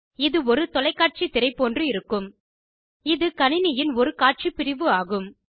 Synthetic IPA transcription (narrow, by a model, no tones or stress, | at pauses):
ɪðɯɔɾɯt̪ɔlɐɪkːaːʈ̚t͡ʃit̪ɪɾɐɪpːoːndrɯɪɾɯkːɯm | ɪðɯkɐnɪnɪjɪnɔɾɯkaːʈ̚t͡ʃipɪɾɪʋɯaːɣɯm